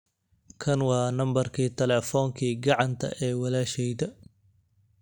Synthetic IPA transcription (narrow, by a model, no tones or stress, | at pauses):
kʰɐnwɑːnɐmbɐrkʰiːt̪ʰɛlɛːfɔːŋkʰiːɡɑʕɑnt̪ʰɐ̰ʔɛːwɑlaːʃɛjd̪ɐ